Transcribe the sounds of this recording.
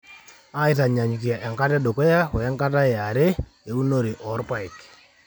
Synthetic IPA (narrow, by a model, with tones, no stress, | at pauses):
a˦ɪ˦ta˨ɲa˨ɲ˨ki˨a˨ʔɛ˨ŋka˦tɛ˦ɗo˨kɔ˦ja˦wɛ˨ɛ˦ŋka˦ta˦e˨a˨ɾe˦ | e˨u˦no˦ɾi˨ʔɔ˨˦rpa˦i˨k